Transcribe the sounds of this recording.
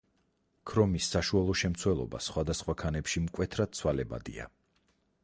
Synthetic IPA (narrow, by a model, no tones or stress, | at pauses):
kʰɾɔmisːaʃualˠɔʃɛmt̪sʰwɛlˠɔ̰ba̰sχwad̪asχwakʰanɛpʃimkʼwɛt̪ʰɾad̪̚t̪sʰwalɛba̰d̪ḭa̰